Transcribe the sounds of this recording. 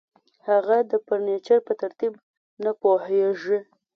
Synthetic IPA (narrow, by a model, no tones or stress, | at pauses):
haɣad̪əpəɾnet͡ʃaɾpət̪aɾt̪ib | napoheʐi